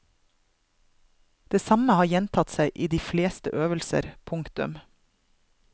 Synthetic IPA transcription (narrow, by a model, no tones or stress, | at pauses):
d̪̥eːsɑməhɑːjɛnt̪ʰɑt̪sæɪʔiːd̪iːfleːst̪ə̰ʔøːʋəlsə̰ɾpʰʊŋkt̪ʉ̰m